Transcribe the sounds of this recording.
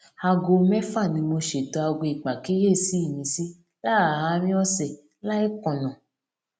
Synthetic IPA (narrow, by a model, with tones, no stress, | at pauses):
a˧ɡo˧mɛ˦fa˦˨nĩ˧mo˧ʃe˨tɔ˧a˧ɡo˧˨i˨k͡pa˨ki˨˦je˦˨si˨˦i˦˨mĩ˧si˦ | la˦˨hã˨˧˦ɾ̃ĩ˦ɔ˦sɛ˨ | la˦i˦kɔ̃˨nã˨